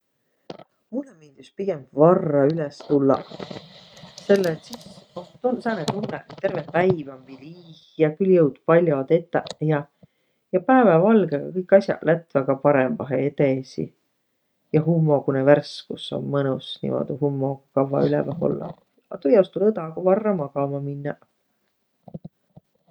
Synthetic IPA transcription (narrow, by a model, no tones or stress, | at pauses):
mulːemind̪̥uspiɡ̥embvɑrːɑylɛst̪ulːɑ̰ | se̞lːet̪sisot̪unsɑːnet̪unːet̪e̞rvepæjvompiliːhjɑkyljɤwd̪̥pɑlʲjod̪et̪ːˑɑjɑ | jɑpæːvɑvɑlɡeɡ̥ɑkɤjkːˑɑsjɑ̰læt̪væɡ̥ɑpɑɾemːɑɦeet̪esḭ | jɑɦumːo̞kuneværskuso̰mːɤnusnḭmo̰d̪uhumːokɑvːɑ̰ylɛ̰vɑho̰lːɑ̰ | ɑt̪ujɑst̪ulɤd̪ɑɡ̥ovɑrːɑmɑɡ̥ɑmɑminːɑ